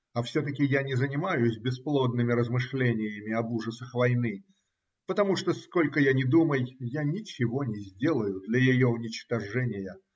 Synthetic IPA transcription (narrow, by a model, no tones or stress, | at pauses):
ɐfsʲot̪əkʲɪjanʲɪzənʲɪmajʊsʲbʲɪsplˠod̪̚nɨmʲɪɾəzmɨʂlʲenʲɪjəmʲɪɐbuʐəsəxvɐjnɨ | pət̪ɐmuʂt̪oskolʲkəjanʲɪd̪uməjːanʲɪt͡ɕɪvo̞nʲɪzʲdʲe̞lˠəjʊd̪lʲəjɪjoʊnʲɪt͡ɕt̪ɐʐɛnʲɪjə